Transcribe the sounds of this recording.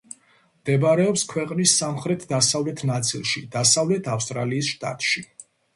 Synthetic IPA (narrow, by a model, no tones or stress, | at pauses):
md̪̥ɛbɾɛɔpskʰwɛqʼnisːamχɾɛt̪ʰd̪asavlɛt̪ʰnat̪sʼilˠʃid̪̥asavlɛt̪ʰafst̪ʼɾaliːsʃt̪ʼa̰t̪ʼʃi